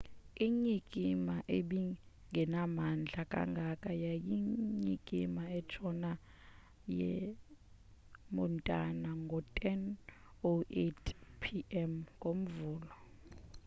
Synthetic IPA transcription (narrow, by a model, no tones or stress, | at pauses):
iɲikʼimaʔeɓi | ŋɡʱɛnamand͡ɮʱakʼa̰ŋɡʱakʼajajiɲikʼimaɛt͡ʃʰɔna | jɛ̰ | mɔntʼanaŋɡʱɔtʼɛn | oetʰpʰiɛmɡʱom̩vuːlɔ